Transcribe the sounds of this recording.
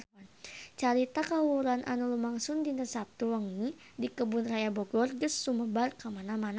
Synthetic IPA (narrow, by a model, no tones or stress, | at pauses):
nt͡ʃaɾit̪akawuɾanʔa̰nulumaŋsʊndinəsap̚t̪uwəŋi | dikəbʊnrajabɔɡɔrɡəsːuməbarkamanamana